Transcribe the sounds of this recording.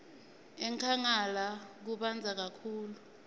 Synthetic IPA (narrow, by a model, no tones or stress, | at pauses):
ɛŋkʰaŋalak̬uɓand͡zʱak̬akʰuːlu